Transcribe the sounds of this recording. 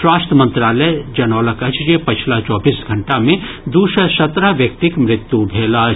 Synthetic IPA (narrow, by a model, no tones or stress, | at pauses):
ʃwaːst̪əmə̃nt̪ɾaːləd͡ʒɐnɔːləkɐt͡ʃd͡ʒepɐt͡ʃʰlat͡ʃɔːbiːsɡʱɐɳʈamẽ | d̪uːʃəsɐt̪ɾaʋjɐk̚t̪ɪkmɾɪt̪jubʱeːla